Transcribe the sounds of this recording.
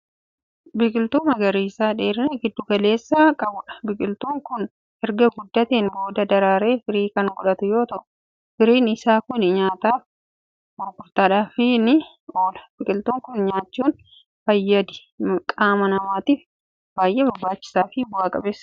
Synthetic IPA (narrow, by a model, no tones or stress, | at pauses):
bɪkʼɪlt̪uːmɐɡɐɾiːsaːᶑeːɾɪnɐɡɪd̪ːʊkɐle̞ːsːaːkʼɐbʊᶑɐ̥bɪkʼɪlt̪uːŋkʊn | ɛɾɡɐɡʊd̪ːɐt̪eːnbo̞ːd̪ɐd̪ɐɾaːɾeːfɪɾiːkɐŋɡʊᶑɐt̪ʊjo̞ːt̪ɐʔʊ | fɪɾiːnɪsaːkʊnɲaːt̪aːf | mʊɾkʊɾt̪aːᶑaːfɪnɪ | oːlɐb̥ɪkʼɪlt̪uːŋkʊnɲaːt͡ʃːuːn | fɐjːɐd̪ɪ̥ | kʼaːmɐnɐmaːt̪iːf | b̥aːjʔeːbɐbːaːt͡ʃːɪ̥saːfɪbʊaːkʼɐbeːsː